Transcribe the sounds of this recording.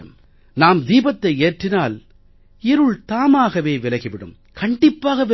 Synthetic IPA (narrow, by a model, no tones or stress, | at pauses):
m | naːmd̪iːbɐt̪ːɐɪeːʈrɪnaːl | ɪɾɯɭt̪aːmaːɣɐʋeːʋɪlɐɣɪʋɪɽɯ̰m | kʰɐɳɖɪpːaːɣɐʋɪ